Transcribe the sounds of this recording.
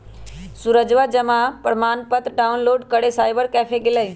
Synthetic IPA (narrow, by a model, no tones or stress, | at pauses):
suɾəd͡ʒʋad͡ʒɐmapəɾmaːnpət̪ɾɖaːunloːɖkɐɽesaːɪbəɾkɛːfʰeɡɪləi